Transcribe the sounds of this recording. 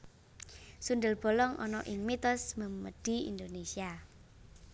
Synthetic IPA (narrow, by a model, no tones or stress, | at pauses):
sund̪əlb̥o̤lɔŋʔɔ̰nɔʔɪŋmit̪ɔsməməɖ̥i̤ḭnd̪onesia